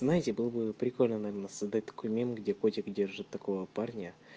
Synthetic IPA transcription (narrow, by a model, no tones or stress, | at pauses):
znajɪtʲɪbɨlˠbɨpɾʲɪko̞lʲnənɐvʲernəsɐzd̪at̚ʲd̪ɐ̥kʰʊjmʲent̪ɡdʲe̞kotʲɪkdʲe̞rʐɨt̪ːɐko̞vəparnʲɪə